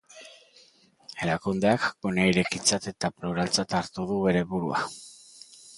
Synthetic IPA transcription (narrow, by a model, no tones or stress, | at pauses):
e̞ɾakund̪e̞akɡonajɾe̞kit͡sat̪e̞t̪apluɾalt͡sat̪aɾt̪uðuβe̞ɾe̞βuɾua